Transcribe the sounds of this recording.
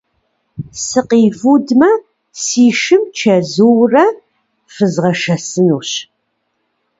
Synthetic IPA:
sɨqivudmɐ | siːʃɨmt͡ʃʰɐzuwrɐ | fɨzʁɐʃɐsɨnuːɕ

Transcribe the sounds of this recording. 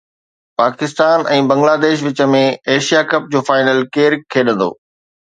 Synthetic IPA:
paːkɪst̪aːnɛ̃ːbɐ̃ŋɡlaːd̪eːʃ̬ʋɪt͡ɕə̆mẽeːʃijakɐp̚d͡ʑoːfaːɪnəlkeːɾkʰːeːɗə̃n̆d̪o̰ː

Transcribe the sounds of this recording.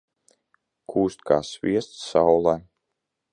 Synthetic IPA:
kʰuːst̪̚kaːsvʲiɛst̪ssawlˠa

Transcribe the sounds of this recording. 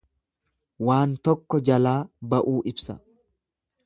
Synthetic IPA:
waːnt̪ɔkːɔd͡ʒɐlaːbɐʔuːʔɪbsɐ

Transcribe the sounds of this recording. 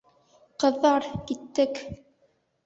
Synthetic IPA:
qɤ̆ðːɑɾkit̪ːɘk

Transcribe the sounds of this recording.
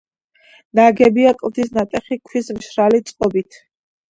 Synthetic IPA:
naɡɛbiakʼlˠt̪ʰisnat̪ʼɛχikʰwismʃɾalit̪sʼqʼɔbit̪ʰ

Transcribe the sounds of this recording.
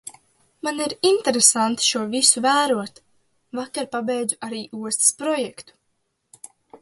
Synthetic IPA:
maniɾint̪eɾesant̪i̥ʃuɔvisuvæːɾuɔt̪ | vakaɾpabɛjd̪zuaɾiːuɔst̪i̥spɾɔjɛkt̪u̥

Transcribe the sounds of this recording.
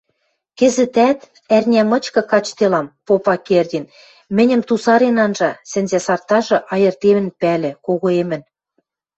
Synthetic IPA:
kɘ̆zɘ̆t̪æt̪ | ærnʲæmɤ̆t͡ɕkɤ̆kɑt͡ɕt̪elɑmpopɑkerdʲin | mɘ̆nʲɘ̆mt̪usɑɾenɑnʒɑsɘ̆nzæsɑrt̪ɑʒɤ̆ʔɑjɤ̆rt̪emɘ̆npælʲɘ̆koɣoemɘ̆n

